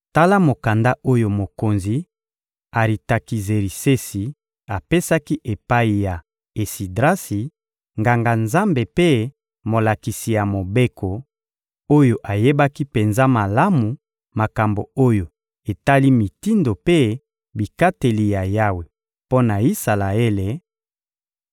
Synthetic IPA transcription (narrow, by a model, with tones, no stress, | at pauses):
ta˦la˦mo˨ka˨nda˦ʔo˦jo˦mo˨ko˨nzi˨ | a˨ʁi˨ta˨ki˨ze˨ɾi˨se˦si˨ | a˨pe˦sa˦ki˦ʔe˨pa˦i˨ja˨ | e˨si˨dʁa˦si˨ | ŋɡa˨ŋɡa˨nza˦mbe˨pe˦ | mo˨la˨ki˨si˨ja˨mo˨be˦kʰo˨ | o˦jo˨ʔa˨je˦ba˦ki˦pe˨nza˦ma˨la˦mu˨ | ma˨ka˨mbo̰˨o˦jo˨ | e˨ta˦li˦mi˨ti˦ndo˨pe˦ | bi˨ka˦te˨li˨ja˨ja˦we˨ | po˦na˨i˦sa˨la˨e˦le˨